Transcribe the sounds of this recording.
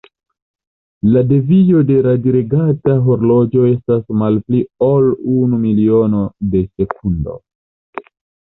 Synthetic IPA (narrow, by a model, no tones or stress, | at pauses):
lade̞vijo̞de̞ɾadiɾeɡataɦo̞ɾlo̞d͡ʒo̞e̞stasmalpliolunumilio̞no̞de̞se̞kundo̞̰